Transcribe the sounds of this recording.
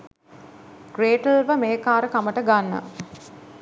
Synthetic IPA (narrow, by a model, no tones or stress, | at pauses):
ɡreːʈəlʋəmeɦekaːɾəkaməʈəɡanːə̰